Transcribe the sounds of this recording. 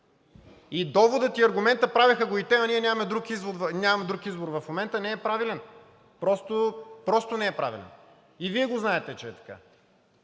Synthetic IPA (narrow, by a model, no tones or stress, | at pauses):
id̪ɔvod̪ət̪iɐɾɡʊmɛnt̪əpɾavʲixəɡoit̪ɛɐnʲiɛnʲamɐmɛd̪ɾukizvʊd̪vnʲamɐmɛd̪ɾukizboɾvɐfmomɛnt̪ənɛɛpɾavilɛn | pɾɔst̪opɾɔst̪onɛɛpɾavḭlɛ̰n | iviɛɡoznaɛt̪ɛt͡ʃɛɛt̪ɐ̥ka̰